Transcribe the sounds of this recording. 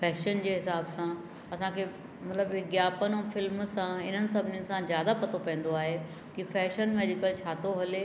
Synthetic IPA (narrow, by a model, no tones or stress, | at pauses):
fɛːʃənd͡ʑeːɦɪsaːbsã | ɐsãkʰe | mɐt̪ləbɪɡjaːpənõfɪlmsãɪn̤ənɪ̆sɐbʱɪnɪjənɪsãzjaːd̪apɐt̪ʰopɐ̃ə̃n̆d̪oaːɦe | kifɛːʃənmeːdɪkəlt͡ɕʰaːt̪oɦɐle